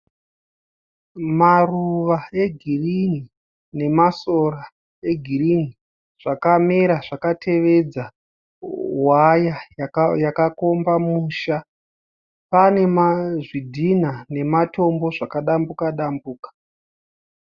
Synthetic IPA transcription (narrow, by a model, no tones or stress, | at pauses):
maruʋae̞ɡʱirini | ne̞maso̞ra | e̞ɡʱirini | ʐ̥akameɾaʐakatʰe̞ʋe̞d͡za | wajajakako̞mbamuːʃa | pane̞maʐidʱinane̞mato̞mbo̞ʐakaɗambukaɗambuːkḁ